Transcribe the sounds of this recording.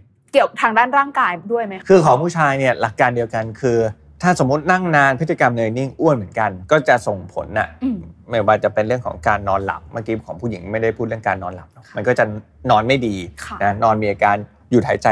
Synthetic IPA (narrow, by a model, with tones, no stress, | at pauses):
ki˨˩əwt̪ʰaː˧ŋdaː˥˩nɾaː˥˩ŋkaː˧jdu˥˩əjma˦˥jkʰɯː˧kʰɔː˩˦ŋpʰuː˥˩t͡ɕʰaː˧jni˥˩ɐla˨˩kːaː˧ndi˧əwka˧nkʰɯː˧ | t̪ʰaː˥˩so˨˩˦mːu˦˥t̪̚na˥˩ŋnaː˧npʰɯ˦˥t̪t͡ɕa˧ka˧mnɤː˧jni˥˩ŋʔu˥˩ənmɯ˩˦ənka˧nkɔː˥˩t͡ɕa˨˩so˨˩ŋpʰo̰˨˩˦nʔa̰˨˩˧ma˦˥˩waː˧t͡ɕa˨˩pe˧nɾɯ˥˩əŋkʰɔ̰ː˩˦ŋkaː˧nːɔː˧nla̰˨˩p̚maː˥˩kiː˨˦˧kʰɔː˩˦pʰu˥˩ji˩˦ŋma˥˩jda˥˩jpʰuː˥t̪̚ɾɯ˥˩əŋkaː˧nːɔː˧nla˨˩p̚nɔ˦˥k̚ma˧nkɔː˥˩t͡ɕa˨˩ | nɔː˧nma˥˩jdiː˧˩na˦˥nɔː˧nmiː˧ʔaː˧kaː˧n | ju˨˩t̪ʰːa̰ː˨˦t͡ɕa˧˩